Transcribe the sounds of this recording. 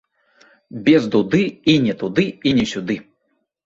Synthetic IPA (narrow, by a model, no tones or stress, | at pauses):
bʲɛzd̪ud̪ɨinʲɛt̪ud̪ɨinʲɛsʲud̪ɨ